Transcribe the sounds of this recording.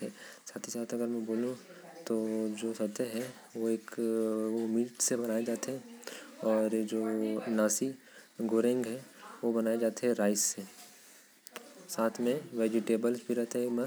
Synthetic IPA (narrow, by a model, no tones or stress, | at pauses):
ɛːsaːt̪ʰisaːt̪ʰɐɡəɾmɛ̃boːlũ | t̪od͡ʒoːsɐt̪eɦɛ | ʋoeːkomiːʈsebɐnaːed͡ʒaːt̪eɦɛ̃ɔːɾd͡ʒoːnaːsi | ɡʱoɾẽŋɡɦɛʋobɐnaːed͡ʒaːt̪eɦɛ̃ɾaːɪsse | saːt̪ʰmẽʋeːd͡ʒɪʈeːbəlsbʱiɾɛɦt̪eɦemɐ